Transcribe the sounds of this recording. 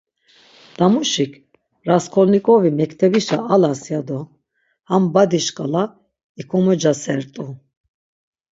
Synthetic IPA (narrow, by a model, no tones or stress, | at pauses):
d̪̥amuʃikʰ | ɾaskʰɔlnikʼɔvimɛkt̪ʰɛbiʃaːlasjad̪ɔ | hambad̪iʃkʼala | ikʰɔmɔd͡ʒasɛɾt̪ʼu